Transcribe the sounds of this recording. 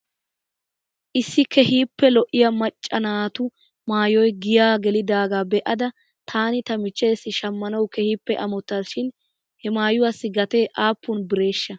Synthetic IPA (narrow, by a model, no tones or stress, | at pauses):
ʔɪsːɪkɛhiːpːɛlɔʔɪjɐmɐt͡ʃʼːɐnaːt̪ʊ | maːjɔjɡɪjaːɡɛlɪd̪aːɡaːbɛʔɐd̪ɐ | t̪ʰaːnɪt̪ɐmɪt͡ʃːe̞ːsːɪʃɐmːɐnɐwkɛhiːpːɛʔɐmɔt̪ːaːʃɪn | hɛmaːjʊwasːɪɡɐt̪e̞ːʔaːpːʊnbɪɾe̞ːʃːɐ